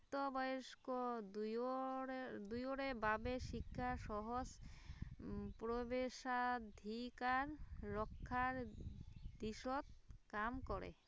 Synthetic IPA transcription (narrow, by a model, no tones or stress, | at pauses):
t̪obɔjeʃko | d̪ujoɽebabeʃikʰːaʃɔɦos | pɾobeʃad̪ʱikaɾːɔkʰːaɾ | d̪iʃot̪̚kamkɔɾḛ